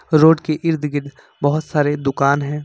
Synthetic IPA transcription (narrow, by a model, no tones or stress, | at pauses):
ɾoːɖkeʔɪɾd̪ɡɪɖ | bɐɦʊt̪saːɾed̪ʊkaːnɦɛ̃ː